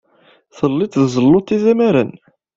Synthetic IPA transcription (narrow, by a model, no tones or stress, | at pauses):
θəlːɪt̪ðzˤəlːʊt̪ːiðæmæɾə̰n